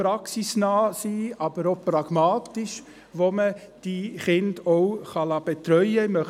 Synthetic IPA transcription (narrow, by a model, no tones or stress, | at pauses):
pɾɑksisnɑːsiːʔɑb̥əɾopɾɑɡ̥mɑːtiʃ | ʋomə | d̥iχɪndɔwχɑlɑːb̥etɾœʏəmœ